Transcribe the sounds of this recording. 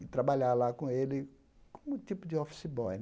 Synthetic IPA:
t̪ɾabaʎalakõelɪ | kõmʊt̪ipʊd͡ʒɪɔfi̥sibɔj

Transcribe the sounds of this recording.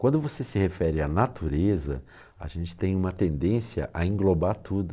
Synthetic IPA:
kwɐ̃nd̪ʊvosesɪhefɛɾɪanat̪uɾezɐ̰ | a̰ʒẽnt͡ʃɪ̥t̪ẽj̃ũmɐt̪ẽnd̪ẽsiɐ̰ʔaĩŋɡlobaɾt̪ʰud̪ʊ

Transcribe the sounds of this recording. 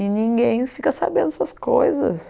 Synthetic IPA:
ɪnĩɡẽj̃fikɐsa̰bẽnd̪ʊsuɐskojzɐ̰s

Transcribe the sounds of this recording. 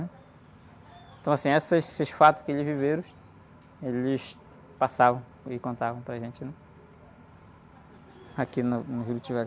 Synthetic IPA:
nɛ | ẽt̪ɐ̃w̃asĩɛsɐsɪʃfat̪ʊ̥kɪelɪzviveɾʊ̃ | elɪs | pasavɐ̃w̃ | ɪkõnt̪avɐ̃w̃pɾaʒẽnt͡ʃɪnɛ | akinɐnʊviɾʊt͡ʃivɛ

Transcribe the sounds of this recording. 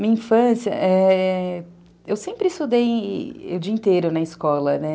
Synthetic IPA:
mĩɐĩfɐ̃siɐ̰ʔɛ | ewsẽmpɾɪst̪ud̪ejʊd͡ʒiɐĩnt̪eɾʊnɐɪskɔlɐnɛ

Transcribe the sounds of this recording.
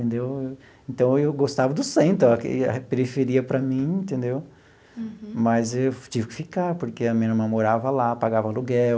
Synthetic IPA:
t̪ẽnd̪ew | ẽnt̪ɐ̃w̃ewɡost̪avɐd̪ʊsẽẽnt̪ɐ̃kɐpeɾifeɾiɐpɾɐmĩẽnt̪ẽnd̪ew | mɐzewt͡ʃivɪkɪ̥fikaɾpoɾkeɐmẽnɐmɐ̃moɾavɐlapaɡavɐluɡɛ

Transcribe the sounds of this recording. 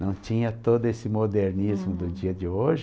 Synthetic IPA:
nɐ̃w̃t͡ʃĩɲɐt̪od̪ʊesɪmod̪eɾnizmʊd̪ʊd͡ʒiɐd͡ʒɪoʒɪ

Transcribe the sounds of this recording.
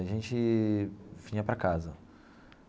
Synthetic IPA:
aʒẽnt͡ʃɪ | vĩɲɐpɾɐkazɐ

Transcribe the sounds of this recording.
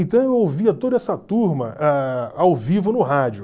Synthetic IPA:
ẽnt̪ɐ̃w̃ewowviɐt̪od̪ɐɛsɐt̪uɾmɐʔɛawvivʊnʊɦad͡ʒʊ

